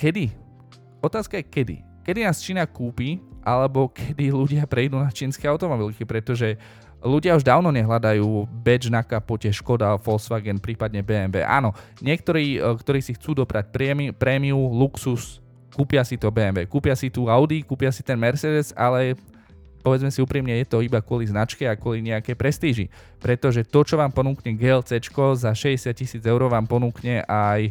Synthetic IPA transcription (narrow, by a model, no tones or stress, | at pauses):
kɛd̪i | ɔt̪aːskajɛkɛd̪ḭ | kɛd̪inaːst͡ʃiːnakuːpiʔalɛbɔkʰɛd̪iluɟɪapɾɛjd̪uːnat͡ʃiːnskɛjaʊt̪ɔmɔbilkipɾɛt̪ɔʒɛ | luɟɪauʒd̪aːʊnɔɲɛɦlad̪ajuːbɛd͡ʒnakapɔcɛʃkɔd̪afɔlsʋaɡɛnpɾiːpad̪ɲɛbɛːɛmbɛ̰ːʔa̰ːnɔɲɪɛk̚t̪ɔɾiːkt̪ɔɾiːsixt͡suːd̪ɔpɾac̚pɾɛmipɾɛmiuluksus | kuːpɪasit̪ɔbɛːɛmbɛːkuːpɪasit̪uːaʊd̪ikuːpɪasit̪ɛnmɛɾt͡sɛd̪ɛzalɛ | pɔʋɛd͡zmɛsiuːpɾimɲɛjɛt̪ɔibakʊɔliznat͡ʃkɛakʊɔliɲɛakɛpɾɛst̪iːʒḭ | pɾɛt̪ɔʒɛt̪ɔt͡ʃɔʋaːmpɔnuːkɲɛɡɛlt͡sɛt͡ʃkɔzaʃɛɟɛsɪat̚cisiːd͡zɛʊɾɔʋaːmpɔnuːkɲɛʔaj